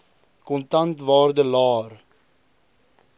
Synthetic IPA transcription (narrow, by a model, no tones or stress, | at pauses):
kɔntɐntvɑːrdəlɑːr